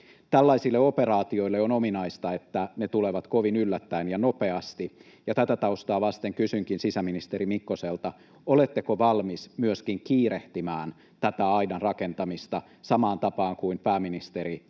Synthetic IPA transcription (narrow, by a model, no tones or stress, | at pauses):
t̪ælːɑisilːeoperɑːt̪io̞ilːeonominɑist̪ɑet̪ːænet̪uleʋɑt̪koʋinylːæt̪ːæinjɑnope̞ɑst̪i | jɑt̪æt̪æt̪ɑust̪ɑːʋɑst̪eŋkysyŋkinsisæminist̪eɾimikːoselt̪ɑ | olet̪ːekoʋɑlmismyøskiŋkiːɾeht̪imæːn | t̪æt̪æɑinɑnrɑkent̪ɑmist̪ɑ | sɑmɑːnt̪ɑpɑːŋkuimpæːminist̪eɾi